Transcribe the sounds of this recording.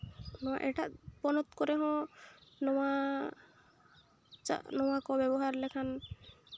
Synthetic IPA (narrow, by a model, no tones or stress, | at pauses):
nɔa̰ʔɛʈaʔpɔnɔt̪kɔɾɛɦɔ̃nɔwa | t͡ʃa̰nɔwakɔbɛbɔɦaɾlɛkʰan